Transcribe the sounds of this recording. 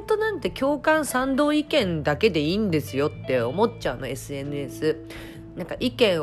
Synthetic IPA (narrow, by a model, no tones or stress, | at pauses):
t̪o̞nãnt̪e̞kʲo̞ːkãɰ̃sãnd̪o̞ːikẽ̞nd̪ake̞d̪e̞iːnd̪e̞sɨjo̞t̪ːe̞o̞mo̞t͡ɕaɯno̞e̞sɨe̞nɯ̟esɨ | nãŋkaʔikẽ̞ɰ̃